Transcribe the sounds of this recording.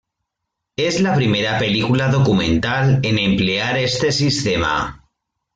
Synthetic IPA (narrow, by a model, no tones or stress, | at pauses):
e̞zlapɾime̞ɾape̞likulaðo̞kumẽ̞nt̪ale̞nẽ̞mple̞aɾe̞st̪e̞sist̪e̞ma̰